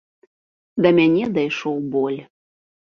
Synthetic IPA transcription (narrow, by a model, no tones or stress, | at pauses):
d̪ɐmʲænʲed̪ajʃowbolʲ